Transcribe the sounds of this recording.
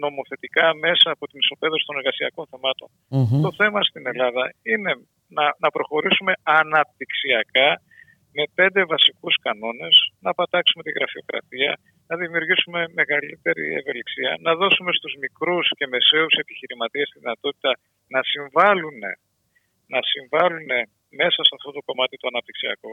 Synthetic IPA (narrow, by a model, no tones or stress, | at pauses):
no̞mo̞θe̞t̪ikɐme̞sɐːpo̞t̪iniso̞pe̞ðosi̥t̪o̞neɾɣɐsiɐ̰ko̞nθemɐt̪o̞̰n | t̪o̞θe̞mɐst̪ine̞lɐðɐine̞ | nɐnɐpɾo̞xo̞ɾisume̞ɐnɐp̚t̪iksiɐkɐ | me̞pe̞nd̪e̞vɐsikuskɐno̞ne̞snɐpɐt̪ɐksume̞t̪iɣɾɐfio̞̰kɾɐ̰t̪iɐ̰ | nɐðimiuɾʝisume̞me̞ɣɐlit̪e̞ɾḭe̞̰ve̞liksiɐ̰nɐðo̞sume̞st̪uzmikɾusce̞me̞se̞use̞piçiɾimɐt̪iɐst̪iðinɐt̪o̞t̪i̥t̪ɐ | nɐsiɱvɐlune̞̰ | nɐsiɱvɐlune̞ | me̞sɐsɐft̪o̞t̪o̞ko̞mɐt̪it̪oɐnɐp̚t̪iksiɐ̰ko